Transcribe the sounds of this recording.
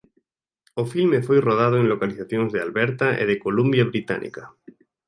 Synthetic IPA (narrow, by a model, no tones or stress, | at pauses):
ofilmefojroð̞að̞oenlokaliθaθjoŋzðealβeɾt̪aʔḛð̞ekolumbjaβɾit̪a̰nʔḭka